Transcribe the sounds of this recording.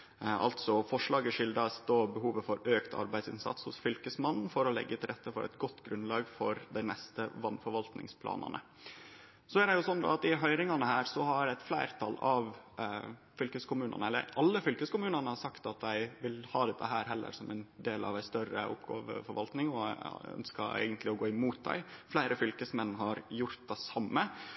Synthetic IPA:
ʔɑ̰lt̪sɔfɔʂɭɑːɡəʂɪld̪ɑsd̪oːbəɦuːʋəfɔɾøːkt̪ʰɑ̰ɾbæɪd̪sɪ̰nsɑ̰t̪shʊsfʏlkəsmɑnn̩fɔɾɔlɛ̰ɡːət̪ʰɪlɾɛt̪ʰːəfɔɾʔæ̰ɪt̪ɡɔt̪ːɡɾʉnlɑːɡfɔɾd̪æɪnɛst̪əʋɑnːfɔɾʋɑlt̪nɪ̰ŋspʰlɑ̰ːnɑ̰nə̰ | sɔæɖɛjʊsɔnːd̪ɔ̰ɑt̪ɪɦœʏɾɪŋɑnəhæːɾsɔhɑɾæɪt̪flæɪɾt̪ʰɑlɑʋ | fʏlkəskʰʊmʉːnɑ̰nəɛlːə̰ɾɑlːəfʏlkəskʊmʉːnɑnəhɑsɑkt̪ɑt̪d̪æɪʋɪlhɑːd̪ɛt̪ʰːəɦæːɾɦɛlːə̰ɾsɔmæɪnd̪eːlʔɑ̰ʋæɪst̪œɾə̰ʊ̰pɡɑ̰ːʋə̰fɔɾʋɑlt̪nɪŋɔœ̰nskɑæ̰ɪɡənt̪lɪɔɡoːɪmuːt̪̚d̪æ̰ɪflæɪɾəfʏlkəsmɛnːɦɑɾjʊɾt̪̚d̪æsɑmːə

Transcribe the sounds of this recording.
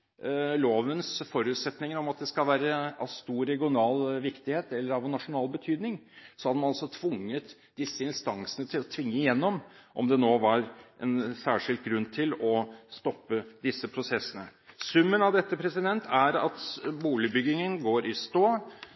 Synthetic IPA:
loːʋənsfɔɾʉːt̪sɛt̪nɪŋəɾɔmɑt̪̚d̪ɛskɑlʋæːɾəɑʋst̪uːɾɾɛɡɪʊnɑːlʋɪkt̪ɪheːt̪ɛlːəɾɑʋɛnɑʂʊnɑːlbət̪ʰyːd̪nɪŋsɔhɑd̪mɑnɑlsɔt̪ʰʋʊŋːət̪ | d̪̥ɪsːəɪnst̪ɑŋsənət̪ʰɪlɔt̪ʰʋɪŋːəɪjɛnːɔmʔɔmd̪ɛnoːʋɑɾʔɛnsæːʂɪlt̪̚ɡɾʉnːt̪ʰɪlɔst̪ɔpːəd̪ɪsːəpʰɾʊsɛsːənəsʉmːənɑʋd̪ɛt̪ːəpʰɾɛsɪd̪ɛnt̪ʰæɾɑ̰t̪buːlɪbʏɡɪŋənɡoːɾɪst̪oː

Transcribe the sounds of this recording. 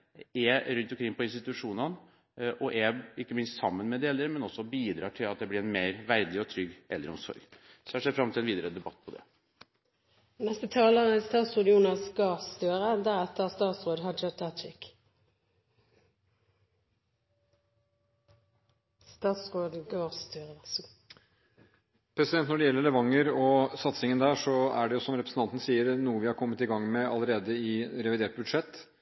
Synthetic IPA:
ɛɾʉnt̪ɔmkʰɾɪŋːpʰɔɪnst̪ɪt̪ʉʂuːnɑn | ʔɔʔɛɪkːəmɪnst̪sɑmːənmɛd̪eːləɾəmɛnɔsːɔbiːd̪ɾɑːʈʰɪlɑt̪̚d̪ɛblɪɾɛnmeɪɾʋæɾd̪ɪɔt̪ʰɾʏɡʔɛ̰lːɾəɔmsɔ̰ɾɡ | sɔɑʂɛt̪fɾɑmt̪ʰɪlɛnʋiːd̪əɾəd̪ɛbɑt̪ːpʰɔd̪ɛ̰ | nɛst̪ət̪ʰɑːləʁəst̪ɑːt̪sʁod̪juːnɑsɡɑst̪øːʁəd̪æʁɛt̪ːəʁst̪ɑːt̪sʁoːd̪ɦɑd͡ʒɑt̪ʰɑt̪ɪk | st̪ɑːt̪sʁoːd̪ɡɑːst̪yːʁə | pʰɾɛsɪd̪ɛnt̪nɔɖɛjɛlːəɾɭɛʋɑŋːəɾɔsɑt̪sɪŋənd̪æːʂɔæɖɛjʊsɔmɾɛpɾəsn̩t̪ɑnt̪nsiːəɾnuːəʋɪhɑɾkʰɔmːət̪ɪɡɑŋːmɛɑ̰ləɾeːd̪əɪɾɛʋɪd̪eːʈ̚bʉd̪ʂɛt̪ː

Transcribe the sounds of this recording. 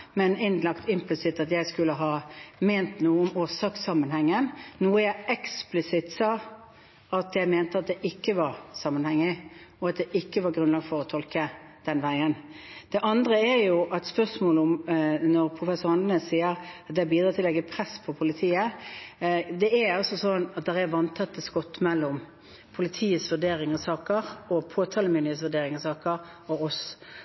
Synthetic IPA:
mɛnɪnlɑkt̪ɪmplɪsɪt̪ɑt̪jæɪskʉlːəɦɑːmeːnt̪nuːəʊmoːsɑːksɑmənhɛŋːənnuːəjæɪɛksplɪsɪt̪sɑː | ɑt̪jæɪmeːnt̪əɑt̪̚d̪ɛʔɪkːəʋɑɾsɑmːənhɛŋːɪɔɑt̪̚d̪ɛʔɪkːəʋɑɾɡɾʉnlɑːɡfɔɾɔt̪ʰɔlkə | d̪̥ɛnʋæɪən | d̪̥ɛʔɑnd̪ɾəæɾjʊʔɑt̪spœsmoːləʊmnɔʁpʰʁʊfɛsʊɾhɑnd̪neːssiːəɾɑt̪̚d̪ɛːbiːd̪ɾɑːt̪ʰɪlɛɡːəpʰɾɛspʰɔpʰʊlɪt̪ʰiːə | d̪ɛæɾɔsɔsɔnːɑt̪̚d̪ɛɾɛʋɑnt̪ʰɑt̪ːəskɔt̪ːmɛlːʊm | pʰʊlɪt̪ʰiːəsʋʉd̪eːɾɪŋɑsɑːkəɾɔpʰoːt̪ʰɑːləmʏnd̪ɪeːsʋʉd̪eːɾɪŋɑsɑːkəɾ | ɔɔs

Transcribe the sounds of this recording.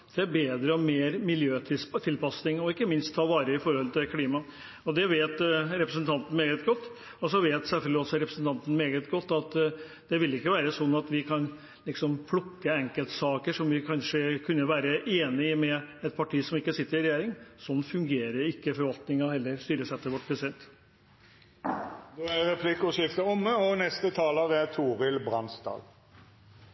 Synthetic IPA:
d̪̥ɛæɾbeːd̪ɾəɔmeːɾmɪljøːt̪ʰɪst̪ʰɪlpɑsnɪŋɔɪkːəmɪnst̪ʰːɑːʋɑːɾəɪfɔɾhɔlt̪ʰɪlkʰliːmɑ | ɔd̪ɛʋeːt̪ɾɛpɾəsnt̪ʰɑnt̪n̩meːɡət̪ɡɔt̪ː | ɔsɔʋeːt̪sɛlfœld̪ɪɔsɔɾɛpɾəsnt̪ʰɑnt̪n̩meːɡət̪ɡɔt̪ːɑt̪ | d̪̥ɛʋɪlɪkːəʋæːɾəsɔnːɑt̪ʋɪkʰɑn | lɪksɔmpʰlʊkːəɛŋkəlt̪sɑːkəʂɔmʋɪkʰɑnʂəkʰʉnːəʋæːɾəʔeːnɪmɛɛt̪̚pʰɑʈʰiːsɔmɪkːəsɪt̪ːəɾɪɾɛjeːɾɪŋsɔnːfʉŋɡeːɾəɾɪkːəfɔɾʋɑlt̪nɪŋɑhɛlːəɾst̪yːɾəsɛt̪ːəʋɔʈ̚pʰɾɛsɪd̪ɛnt̪ | d̪oæɾɛpʰlɪkʊʃɪft̪əɔməɔnɛst̪ət̪ʰɑːləʋɛt̪ʰuːʁɪlbɾɑnsd̪ɑ̰ːɡ̪

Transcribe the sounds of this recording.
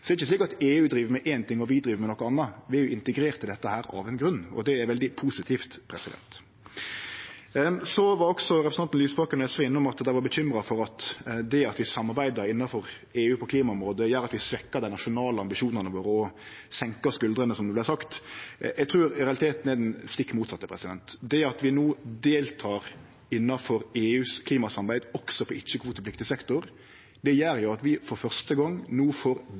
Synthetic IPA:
sɔɛɾɪçəsliːkɑt̪eːʉːd̪ɾiːʋəɾmɛʔɛːnt̪ʰɪŋːɔʋɪd̪ɾiːʋəɾmɛnɔkːɔɑnːɑʋɪæɾjʊɪnt̪əɡɾeːɾt̪ʰːɪld̪ɛt̪ːəhæːɾɑ̰ʋɛnɡɾʉnːɔ̰d̪ɛæɾʋɛld̪ɪpʰuːsɪt̪ʰiːft̪pʰɾɛsɪd̪ɛ̰nt̪ | sɔʋɑɾɔksɔɾɛpɾsɑnn̩yːsboːkənɛsʋɛɪnːɔmɑt̪d̪æɪʋɑɾbəɕʏmɾɑfɔɾɑt̪d̪ɛɑt̪ʋɪsɑmːɑɾbæɪd̪ɑɾɪnːɑfɔɾ | eːʉːpʰɔkʰliːmɑɔmɾoːd̪əjæːɾɑt̪ʋɪsʋɛkːɑd̪æɪnɑʃʊnɑːləɑmbɪʃuːnənəʋoːɾɔ | sɛŋkɑskʉld̪ɾənəsɔmd̪əblæɪsɑkt̪jɛɡt̪ʰɾʉːɾɾɛɑlɪt̪ʰeːt̪n̩ɛd̪ɛnst̪ɪkːmuːt̪sɑt̪ːəpʰɾɛsɪd̪ɛnt̪d̪ɛɑt̪ʋɪnuːd̪eːlt̪ʰɑːɾ | ɪnːɑfɔɾeːʉːskʰliːmɑsɑmbæɪd̪ɔksɔpʰɔɪt͡ʃːəkʰʋuːt̪əplɪkt̪ɪsɛkt̪ʊɾ | d̪ɛjæɾjʊɑt̪ʋɪfɔɾfœʁst̪əɡɑŋːnuːfoːɾ

